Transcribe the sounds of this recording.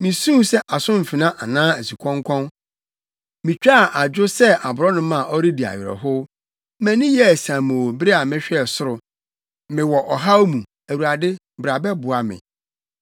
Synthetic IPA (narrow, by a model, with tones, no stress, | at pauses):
mɪ̃˨sũ˦sɛ˦ʔa˨sʊ̃˦m̩˨fɪ˨nã˦ʔa˨nãː˦æ˨si˨kʷʰɔ̃˦ŋ˦kʰɔ̃˦n | mĩ˨t͡ɕᶣa˦˨ʔa˨d͡ʑᶣʊ˦sɛ˦a˨bʊ˨ɾɔ˦nʊ̃˦mã˦˨ɔ˦ɾi˦di˨a̰˨ɥɪ˨ɾɛ̰˨ɦʊ˦ | mɛ̃˦nɪ̃˦jɛ˦˨sã˨mõ˨bɪ˦ɾe˦a˨mɪ̃˦ɕᶣɛ˨sʊ˦ɾʊ˨ | mɪ̃˨wɔ˨ʔɔ˨ɦa˦mũ˨ | æ˨wu˨ɾa˨dɪ˦ | bɾa˨bɛ˦bʊ˨a˨mɪ̰̃˨